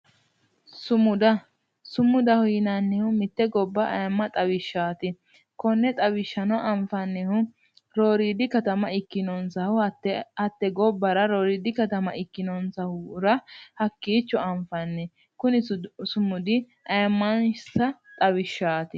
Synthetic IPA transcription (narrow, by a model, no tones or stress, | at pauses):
sʊmʊd̪ɐ | sʊmːʊd̪ɐhʊjɪnɐnːɪhʊmɪt̪ːɛɡɔbːɐʔɐ̰jɐmːɐt̪ʼɐwɪʃːaːt̪ɪ | kɔnːɛt̪ʼɐwɪʃːɐnɔʔɐmfɐnːɛhʊ | ɾoːɾiːd̪ɪkɐt̪ɐmɐɪkːɪnɔnsɐhʊɐt̪ːɛɡɔbːɐɾɐɾoːɾiːd̪ɪkɐt̪ɐmɐ̰ʔɪkːɪnɔnsɐhʊɾɐhɐkːiːt͡ʃːɔɐmfɐnːɛ | kʊnɪsʊmʊd̪ɪ | ʔɐjɐmːɐnsɐt̪ʼɐwɪʃːaːt̪ɪ